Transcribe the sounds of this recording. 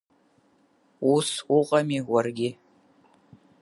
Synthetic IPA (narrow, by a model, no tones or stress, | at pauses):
usʊqʼɐmiːwʷɐrɡʲɪ